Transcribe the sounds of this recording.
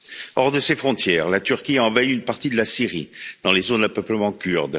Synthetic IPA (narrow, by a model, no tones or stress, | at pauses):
ɔʁd̪əsefχɔ̃t̪jɛːʁlat̪yʁkʲiaɑ̃vaiynpaʁt̪id̪əlasiʁid̪̥ɑ̃lezonapœpləmɑ̃kʲyʁd̪